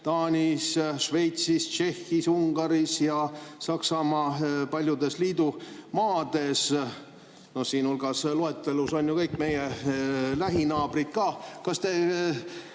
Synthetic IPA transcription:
t̪ɑːnʲisʃve̞jt̪sist͡ʃe̞hːisuŋɡ̥ɑɾisjɑsɑksɑmɑːpɑlʲjud̪e̞sliːd̪̥umɑːd̪̥e̞s | no̞hsiːnulɡ̥ɑsloet̪ːˑeluso̞nʲjukɤjkme̞je | læɦinɑːb̥rit̪̚kɑːkɑst̪e̞

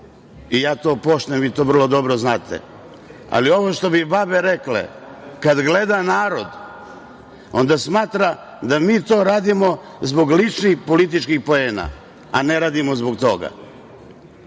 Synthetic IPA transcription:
ijaːt̪o̞ːpo̞ʃt̪emʋiːt̪o̞ːʋr̩lˠo̞d̪o̞bɾoznaːt̪ʰḛ | a̰lio̞ʋoʃt̪o̞bibabe̞ɾe̞klḛ | kad̪ɡle̞d̪anaːɾo̞d̪ | o̞̰nd̪asmaːt̪ɾa | d̪amiːt̪o̞ːɾaːd̪imo̞ | zbo̞ɡlit͡ʃnixpo̞lit̪̬it͡ʃkixpo̞eːna̰ | aneɾaːd̪imo̞zbok̚t̪o̞ɡa̰

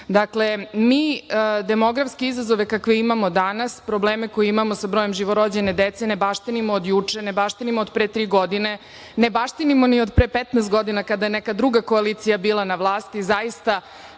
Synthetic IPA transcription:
d̪akle̞miːd̪emo̞ɡɾafskeizazo̞ʋe̞kakʋeimamo̞d̪anaspɾo̞bleːmeko̞jiimamo̞sabɾoje̞mʒiʋoɾod͡ʑene̞d̪et̪senebaʃt̪inimoːd̪jut͡ʂenebaʃt̪inimood̪pɾet̪ɾiːɡo̞d̪ine̞ | nebaʃt̪inimo̞niod̪pɾeːpet̪nɛːst̪̚ɡo̞d̪inakad̪ajenɛkad̪ɾuɡako̞aliːt̪sijabiːlˠanaʋlˠaːst̪izajist̪a

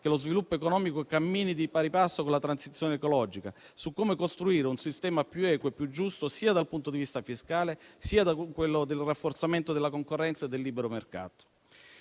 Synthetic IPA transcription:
k̟elozvilupːoekonɔːmikokamːiːnid̪ipaɾipasːokonlat̪ɾansit̪sːjoːneekolɔd͡ʒika̰sukːomekost̪ɾuiːɾeunsist̪ɛːmapjuɛːkwepːjud͡ʒːust̪osiːad̪alpunt̪od̪ivist̪afiskaːlesiːad̪akwelːod̪elrafːort̪sament̪od̪elːakoŋkorːɛnt̪saed̪ːelːibeɾomerka̰ːt̪o̥

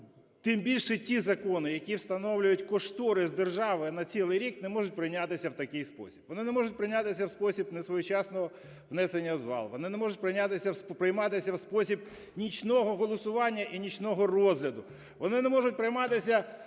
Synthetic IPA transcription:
t̪ɪmbʲilʲʃɛtʲizɐkɔnɪjɐkʲiwst̪ɐnɔwlʲʊjʊtʲkɔʃt̪ɔɾɪzd̪erʒɑʋɪnɐt͡sʲilˠɪjɾʲiknemɔʐʊt̚ʲpɾɪjnʲat̪ɪsʲɐwt̪ɐkɪjspɔ̰sʲi̥bʋɔnɪnɛmɔʐʊt̚ʲpɾɪjnʲat̪ɪsʲɐwspɔsʲibnesʋɔjʊt͡ʃɑsnɔɦɔ | ʋnɛsenʲːɐzʋɑ̰lˠʋɔ̰nɪnemɔʒʊt̚ʲpɾɪjnʲat̪ɪsʲɐspɾɪjmɑt̪ɪsʲɐwspɔsʲib | nʲit͡ʃnɔɦɔɦɔlˠɔsʊʋɑnʲːɐʔinʲit͡ʃnɔɦɔrɔzɦlʲɐd̪ʊ | ʋɔnɪnɛmɔʒʊt̚ʲpɾɪjmɑt̪ɪsʲɐ

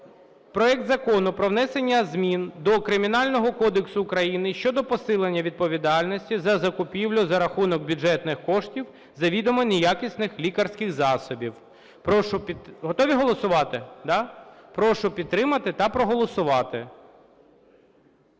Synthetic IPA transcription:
pɾɔɛk̚t̪zɐkɔnʊpɾɔʋnɛsenʲːɐzmʲind̪ɔkɾɪmʲinɑlʲnɔɦɔkɔd̪eksʊːkɾɐjinɪʃt͡ʃɔd̪ɔpɔsɪlˠenʲːɐʋʲid̪̚pɔʋʲid̪ɑlʲnɔsʲtʲizɐzɐkʊpʲiwlʲʊzɐɾɐxunɔɡ̚bʲʊʐɛt̪nɪxkɔʂtʲiw | zɐʋʲid̪ɔmɔnʲɛjakʲisʲnɪxlʲikɐrsʲkɪɣzɑsɔbʲiw | pɾɔʃʊpʲiɦɔt̪ɔʋʲiɦɔlˠɔsʊʋɑt̪ɪd̪ɑpɾɔʃʊpʲid̪ːɾɪmɐt̪ɪt̪ɐpɾɔɦɔlˠɔsʊʋɑt̪ɪ

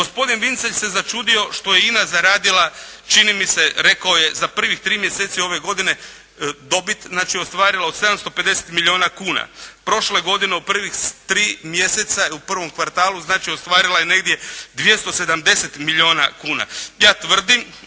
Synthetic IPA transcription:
ɡo̞spo̞d̪inʋint̪seʎse̞zat͡ʃuːd̪io̞ʃt̪o̞je̞inazaɾaːd̪ilat͡ʃinimise̞ɾe̞kaoje̞zapr̩ʋixt̪ɾiːmjeseːt̪sio̞ʋe̞ɡo̞d̪ine̞ | d̪o̞bit̪znaːt͡ʃio̞st̪ʋaːɾilaose̞d̪amst̪o̞pe̞d̪e̞se̥t̪milʎʲio̞ːnakuːna̰pɾo̞ʃle̞ɡo̞d̪ineopr̩ʋixt̪ɾiːmje̞set̪saupr̩ʋo̞mkʋaɾt̪aːlˠuznaːt͡ʃio̞st̪ʋaːɾilajene̞ɡd̪je̞d̪ʋje̞st̪o̞sed̪amd̪e̞set̪milʲio̞ːna̰kuːna̰jaːt̪ʋr̩d̪im

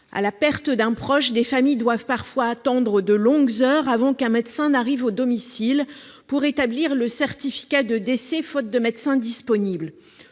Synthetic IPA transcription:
a̰lapɛʁt̪d̪ɛ̃pχɔʃd̪efamijd̪wavpaʁfwaːt̪ɑ̃d̪ʁəd̪əlɔ̃ɡzœʁavɑ̃kɛ̃mɛd̪sɛ̃naʁivod̪ɔmisil | puʁet̪abliʁləsɛʁt̪ifi̥kad̪əd̪esefɔt̪̚d̪əmɛd̪sɛ̃d̪ispɔnibl

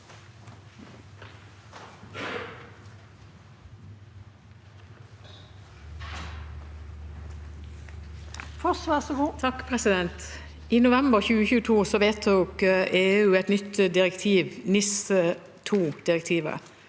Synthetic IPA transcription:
fɔsʋæsɡuːt̪ʰɑkːpʰʁɛsɪd̪ɛnt̪ | iːnʊʋɛmbəʁçʉːəçʉːət̪ʰuːsɔʋeːt̪ʰuːkeːʉːɛt̪nʏt̪d̪ɪʁɛkt̪ʰiːʋnɪsə | t̪ʰuːd̪̥ɪʁɛk̚t̪ʰiːʋə̰

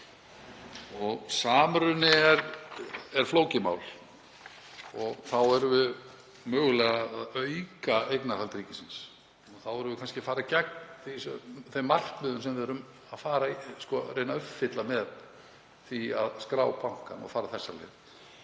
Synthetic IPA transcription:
ɔɣsaːmɾʏnːɪɛɾ | ɛɾ̥floːwcɪma̰ːwl | ɔɣθawɛɾvʏ | mœːɣʏlɛɣaðaðœɥkaejknahalt̪ɾiːcɪsins | ɔθawɛɾʏvʏkʰanscɪafaːɾacɛk̚nθisθemːar̥k̪mʏðʏnsɛmvɪðɛɾʏm | aðfaːɾaskɔɾejnaœfːɪt̪lamɛð | θia̰ðskɾaːwpʰawŋ̥ka̰nɔ̰faːɾaθɛsːalɛ̰ːð

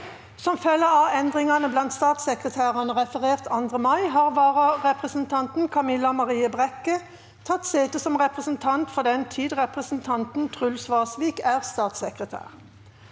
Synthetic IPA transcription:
sɔmfœlːəɑɛnd̪ʁɪŋɑnəblɑnt̪st̪ɑːt̪səkʁət̪ʰæːʁɑnəʁɛfəʁeːʁt̪ʰɑnd̪ʁəmɑɪɦɑːʁʋɑːʁəʁɛpʁəsn̩t̪ʰɑnt̪n̩kʰɑmɪlːɑmɑʁiːəbʁɛkə | t̪ʰɑt̪seːt̪əsɔmʁɛpʁəsn̩t̪ʰɑnt̪fɔʁd̪ɛnt̪ʰiːd̪ʁɛpʁəsn̩t̪ʰɑnt̪n̩t̪ʰʁʉlsʋɑːsʋiːkæːʁst̪ɑːt̪səkʁət̪ʰæ̰ːʁ

